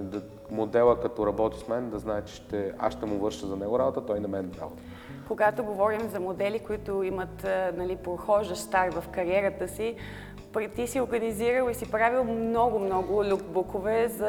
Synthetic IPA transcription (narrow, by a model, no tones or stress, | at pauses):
d̪ɐ | mod̪ɛlˠəkɐt̪ɔɾɐbɔt̪ismɛnd̪ɐznaɛt͡ʃɛ̥ʃt̪ɛa̰ʃt̪ɛmʊvɤɾʃəzɐnɛɡʊɾabot̪ət̪ɔjnɐmɛnɾa̰bo̰t̪ə | koɡat̪oɡovɔɾimzɐmod̪ɛlikoit̪ʊimət̪nɐlipɾoxɔʒəʃt̪aɾt̪vɐfkɐɾiɛɾət̪əsi | pɾɛt̪isioɾɡəniziɾəlˠisipɾavilˠmnɔɡʊmnɔɡʊlʲukbukovɛzɐ